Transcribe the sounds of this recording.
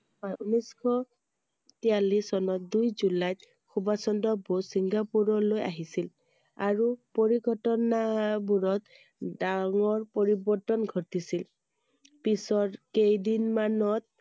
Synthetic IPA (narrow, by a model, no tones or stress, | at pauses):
ɔjuniskʰɔ | tijalisɔnɔt̚dujzulajt | xubasɔndɔbosiŋɡapuɹɔloja̰ɦisil | aɹupoɹiɡɔtɔnabuɹɔt̚ | daŋɔɹpoɹibɔɹtɔnɡʱɔtisil | pisɔɹkejdinmanɔt̚